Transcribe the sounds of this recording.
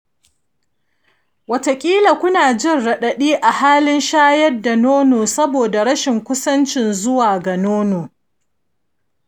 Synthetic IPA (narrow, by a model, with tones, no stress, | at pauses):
wɐ˨ta˨kʲʼiː˦la˨kʷʊ˦naː˨d͡ʒɪ˦˨nɽɐ˨ɗɐ˨ɗiː˦ʔa˨haː˦lɪ˦nʃaː˦jɐ˦rda˨noː˦noː˨sɐ˦boː˨da˨ɾɐ˦ʃɪ˨ŋkʷʊ˦sɐ˦nt͡ʃɪ˨nzʊ˦waː˨ɡa˨noː˦noː˨